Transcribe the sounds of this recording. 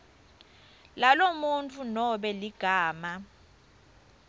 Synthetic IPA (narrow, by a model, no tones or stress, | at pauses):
lalomunt͡fʰunɔɓɛliɡ̥ʱaːma